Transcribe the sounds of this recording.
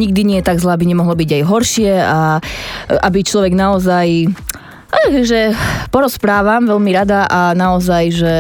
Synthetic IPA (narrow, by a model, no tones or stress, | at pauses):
ɲiɡ̚d̪iɲɪɛjɛt̪aɡzlaːbiɲɛmɔɦlɔbiɟajɦɔɾʃɪɛa | ʔa̰bit͡ʃlɔʋɛɡnaɔzaj | aʒɛpɔɾɔspɾaːʋamʋɛlmiɾad̪aʔanaɔzajʒɛ